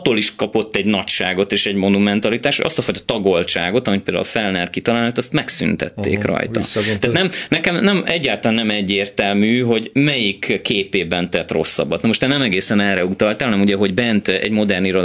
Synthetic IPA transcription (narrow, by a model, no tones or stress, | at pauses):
t̪oːliʃkɒpo̞t̪ːɛɟnɒcʃaːɡo̞t̪eːʃɛɟmo̞numɛnt̪ɒlit̪aːʃthoɟʔɒ̰st̪ɒfojt̪ɒ̥t̪ɒɡo̞lt͡ʃaːɡo̞t̪ɒmipeːld̪a̰lfɛlnɛrkit̪ɒlaːlnat̪ɒst̪mɛksy̰nt̪ɛ̰t̪ːḛːkrɒ̰jt̪ɒ̰t̪aːt̪nɛmnɛkɛmnɛmɛɟːaːlt̪ɒlanːɛmɛɟːeːrt̪ɛlmyːɦo̞ɟmɛjikːeːpeːbɛnt̪ɛt̪ro̞̰sːɒ̰bːɒt̪nɛmo̞ʃt̪ɛːnɛmɛɡeːsɛnɛlɾɛut̪ɒlt̪aːɦɒnɛmuɟɛɦo̞ɟbɛnt̪ɛ̰ɟmo̞d̪ɛrniɾo